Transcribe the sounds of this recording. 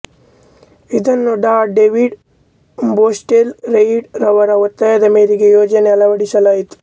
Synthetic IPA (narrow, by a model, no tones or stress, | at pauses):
id̪ɐnːuɖaːɖeʋiɖ | boːsʈelɾejiɖɾɐʋɐɾɐot̪ːɐjɐd̪ɐmeːɾiɡejoːd͡ʒɐneɐlɐʋɐɽisɐlaːjit̪u̥